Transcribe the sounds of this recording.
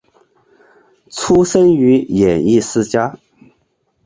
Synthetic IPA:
t͡sʰu˥ʂə˥ny˧˥jɛ˨˩ni˥˩sɹ̩˥t͡ɕja˥

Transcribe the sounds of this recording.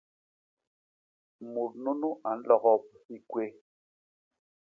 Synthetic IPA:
mo˨t̚nu˦nu˦ʔa˨n̩˦lɔ˨ɣɔ˦p̚hi˦kwe˦

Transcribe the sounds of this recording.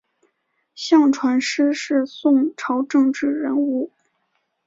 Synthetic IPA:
ɕjɑ˥˩ŋʈ͡ʂʰwa˧˥nʂɻ̩˥ʂɻ̩˥˧sʊ˥˧ŋʈ͡ʂʰɑ˧˥ʊʈ͡ʂɤ˥˧ŋʈ͡ʂɻ̩˥˩ɻə˧˥nu˥˩

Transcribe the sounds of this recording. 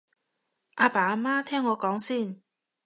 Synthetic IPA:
ʔa˧pa˨a˧mã˦t̪ʰɛ˦˥ŋwɔ˨˧˦kɔ˨˦ŋsi˥˩˨n

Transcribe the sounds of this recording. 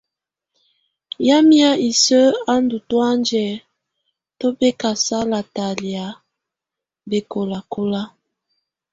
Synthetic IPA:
ja˦mja˦i˨sə˦a˦ndu˨twa˦nd͡ʒɛ˨ | to˦be˦ka˨sa˦la˨ta˨li˨a˨ | be˨ko˨la˨ko˦la˦

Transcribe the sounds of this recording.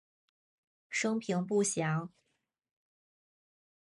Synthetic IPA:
ʂɤ˥ŋpʰi˧˥ŋp̬u˥˩ɕjɑ˧˥ʊ

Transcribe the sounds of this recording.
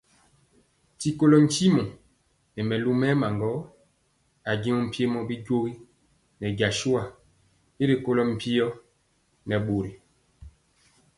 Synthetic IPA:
ti˦ko˦lɔ˦n̩˦t͡ʃi˦mɔ˨ | nɛ˨mɛ˨lu˦mɛ˦ma˨ŋɡɔ˦ | a˨ɡi˦mɔ˦m̩˨pje˦mɔ˦bi˦ɟo˦ɣi˦ | nɛ˨ɟa˨ʃu˦a˨ | e˦ɾe˨ko˦lɔ˦m̩˨pi˦ɔ˦ | nɛ˨ɓo˨ɾi˨

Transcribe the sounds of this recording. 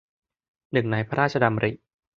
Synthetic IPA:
nɯ˨˩ŋnaː˨˦jpʰa˦˧ɾaː˥˩t̚t͡ɕʰa˧da˧mɾḭ˨˩ʔ

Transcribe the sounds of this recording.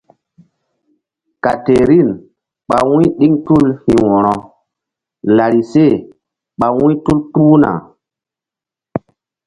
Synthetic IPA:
ka˨te˨ɾi˦˨n | ɓa˨wũ˦ɗi˦ŋtu˦˨lhĩ˨wɔ̃˨ɾɔ˨ | la˨ɾi˨se˦˨ | ɓa˨wũ˦tu˦ltu˦na̰˨

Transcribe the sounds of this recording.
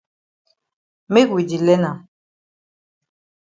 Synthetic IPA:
me˦kwi˨d͡ʒi˨lɛ˦na˨

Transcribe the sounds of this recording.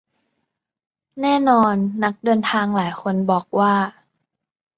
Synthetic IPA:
nɛː˥˩nɔː˧nːa˦˥k̚dɤː˧nt̪ʰaː˧ŋlaː˩˦jkʰo˧nbɔː˨˩k̚waː˥˩

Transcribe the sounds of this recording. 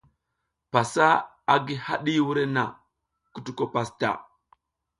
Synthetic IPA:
pa˨sa˦ | a˦ɡi˦ha˦ɗi˦wu˦ɾe˦na˨ | ku˨tu˨ko˨pa˦sta̰˨

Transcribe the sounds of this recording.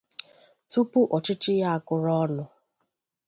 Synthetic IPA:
tu˦pu˦ʔɔ˨t͡ʃɪ˦t͡ʃɪ˦ja˦a˨kʊ˨ɾɔ˦nʊ˨

